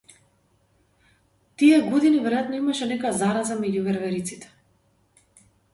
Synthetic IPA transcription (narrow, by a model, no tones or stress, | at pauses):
t̪iɛɡɔd̪inivɛɾɔjat̪nɔimaʃɛnɛkɔjazaɾazamɛɟuvɛɾvɛɾit̪sit̪ɛ̥